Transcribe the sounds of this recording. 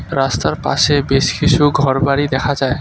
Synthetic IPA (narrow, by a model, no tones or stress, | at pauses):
ɾast̪aɾpa̰sebeskisʰuɡʱɔɾbaɾid̪ɛkʰad͡ʒae